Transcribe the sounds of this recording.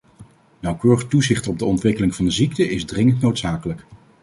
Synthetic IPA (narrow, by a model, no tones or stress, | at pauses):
nɑwkøːrəχ̚tuzɪχtɔb̚dəɔntʋɪkəlɪŋvɑndəziktəʔɪzdrɪŋəntnowtsaːkələk